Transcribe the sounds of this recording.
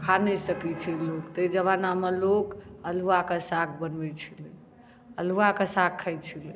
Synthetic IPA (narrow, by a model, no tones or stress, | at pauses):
kʰanɛsəkit͡ʃʰilokt̪əid͡ʒəβanamelokəluakesakʰbənbɛt͡ʃʰilɛ | əluakesakʰːəjt͡ʃʰilɛ